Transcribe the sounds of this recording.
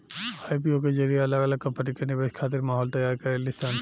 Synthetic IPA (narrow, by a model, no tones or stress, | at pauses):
ajp̬ioked͡ʒɐɾijaɐləɡələɡ̚kːɐpɐʈikanibeskʰaːt̪iɾmaːɦɔlt̪ɐjaɾkɐɾelist̪ʰan